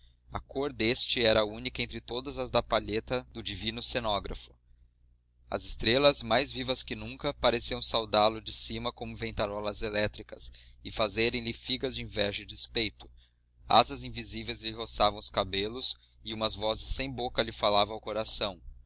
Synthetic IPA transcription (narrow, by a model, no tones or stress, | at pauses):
ɐkʰoɾd̪est͡ʃɪɛɾɐunikɐẽnt̪̬ɾɪt̪od̪ɐzɐzd̪ɐpaʎet̪ɐd̪ʊd͡ʒivĩnʊsenɔɡɾɐ̰fʊ̥ | ɐ̰zɪst̪ɾelɐzmajzvivɐskɪnũŋkɐpaɾesiɐ̃w̃sawd̪alʊd͡ʒɪsimɐkõmʊvẽnt̪aɾɔlɐzelɛt̪ɾikɐsɪfazeɾẽj̃lɪfiɡɐzd͡ʒɪĩvɛʒɐd͡ʒɪspejt̪ʊ̥ | a̰zɐzĩvizivejzlɪɦosavɐ̃w̃ʊskabelʊs | ɪũmɐzvɔzɪsːẽj̃bokɐlɪfalavɐ̃awkoɾasɐ̃w̃